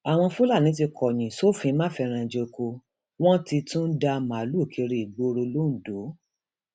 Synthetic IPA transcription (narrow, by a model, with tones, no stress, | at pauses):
a˨w̃ɔ̃˧fu˦la˦˨nĩ˨˦t̬i˧kʰɔ˨j̃ĩ˨so˦˨fĩ˧˦mãː˦fɛ˧ɾ̃ã˧˨d͡ʒe˧ko˧ | w̃ɔ̃˦ti˧tũ˦n̩˦da˧ma˨˦lu˦˨kʰi˧ɾi˨i˨ɡ͡bo˧ɾo˧lo˦n̩˨do˨˦